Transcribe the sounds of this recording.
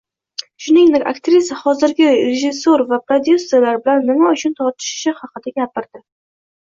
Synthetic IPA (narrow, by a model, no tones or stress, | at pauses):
ʃʊnɪŋd̪ekʲakt̪ɾisɪχɒzɪɾɡʲɪɾeʒɪsːoɾvapɾod̪ʲjusːelaɾbɪlanːɪmaʊt͡ʃʰʊnt̪ʰɒɾt̪ʰɪ̥ʃɪ̥ʃɪhɑqɨd̪aɡʲapɪɾd̪ɪ